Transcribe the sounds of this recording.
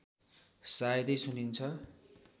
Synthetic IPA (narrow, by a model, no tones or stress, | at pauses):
sajd̪ʌjsunint͡sʰʌ